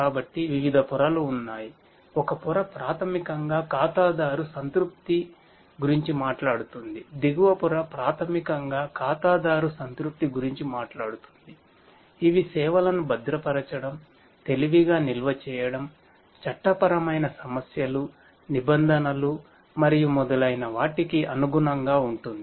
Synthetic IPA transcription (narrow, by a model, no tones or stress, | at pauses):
kaːbɐʈːiʋiʋid̪ʱɐpuɾɐluːnːaːji | ɔkɐpuɾɐpɾaːt̪ʰɐmikɐŋɡaːkaːt̪aːd̪aːɾusɐnt̪ɾup̚t̪i | ɡuɾiɲt͡ʃimaːʈlaːɽut̪und̪id̪iɡuʋɐpuɾɐpɾaːt̪ʰɐmikɐŋɡaːkaːt̪aːd̪aːɾusɐnt̪ɾup̚t̪iɡuɾiɲt͡ʃimaːʈlaːɽut̪u̥nd̪i | iʋisɛːʋɐlɐnubɐd̪ɾɐpɐɾɐt͡ʃɐɽɐm | t̪e̞liʋiɡaːnilʋɐt͡ʃɛːjɐɽɐm | t͡ʃɐʈːɐpɐɾɐmɐjnɐsɐmɐsjɐlu | nibɐnd̪ʱɐnɐlu | mɐɾijumɔd̪ɐlɐjnɐʋaːʈikiʔɐnuɡunɐŋɡaːuɳʈund̪i